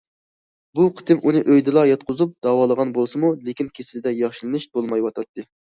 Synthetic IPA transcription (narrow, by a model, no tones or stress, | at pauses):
buqʰə̥t̪ʰɨmʔunɨʔøjd̪ɨlˠɑjɑt̪̚qʰʊzup̚d̪ɑːwɑːlˠəʁɑnbolˠsɨmulekʲinkʲʰesɪlɪd̪ɛjɑχʃilˠɨnɨʃb̪olˠmɑjwɑt̪ʰɑt̪ʰːɨ